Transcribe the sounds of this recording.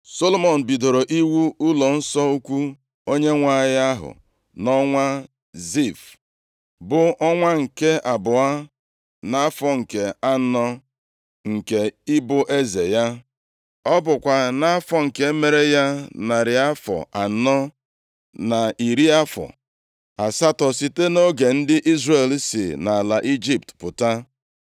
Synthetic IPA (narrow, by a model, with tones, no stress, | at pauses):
so˦lo˦mɔ˨n̩˨bi˨do˨ɾo˨ʔi˦wu˦ʊ˦lɔ˨n̩˦sɔ˦u˦kʷu˦ | o˦ɲe˦ŋʷa˨ja˦ɦʊ̰˨ | nɔ˦ŋʷa˦ | zi˦˨f | bʊ˨ʔɔ˦ŋʷa˦ŋ̩˨ke˦ʔa˨bʊ˨a˦ | na˦a˦fɔ˨ŋ̩˨ke˨a˦n̩˦nɔ˦ | ŋ̩˨ke˨ɪ˦bʊ˦ʔe˦ze˨ja˦ | ɔ˦bʊ˨kʷa˨na˦a˦fɔ˨ŋ̩˨ke˦e˦me˨ɾe˦ja˦na˨ɾɪ˨a˦fɔ̰˨a˨˦nɔ˦ | na˨i˨ɾi˦a˦fɔ̰˨ | a˨sa˦tɔ˨si˨te˦no˦ɡe˨n̩˦dɪ˦ʔi˦zre˦˨lsḭ˨na˨a˨la˨ʔi˦d͡ʒi˦p̚tpʊ˨ta˦